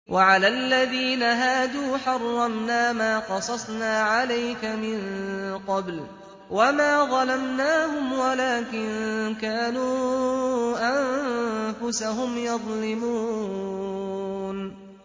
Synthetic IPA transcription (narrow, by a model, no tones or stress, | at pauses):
wʔaʕalaːʔlːaðiːnaɦaːd̪uːħɑrˤːɑmnaːmaːqɑsˤɑsˤnaːʕalajkamɪnqɑbl | wamaːðˤɑlamnaːhʊmwalaːkɪnkaːnuː | ʔamfʊsaɦʊmjɑðˤlɪmuː | n